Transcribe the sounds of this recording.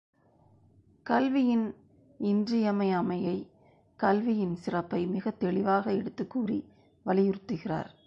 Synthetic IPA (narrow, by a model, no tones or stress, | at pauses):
kɐlʋɪjɪn | ɪndrɪjɐmɐɪaːmɐjɐɪ | kɐlʋɪjɪnsɪrɐpːɐɪmɪɣɐt̪ɛɭɪʋaːɣɐɛɽɯt̪ːɯkːuːri | ʋɐlɪjʊɾɯt̪ːɯɣɪra̰ːɾ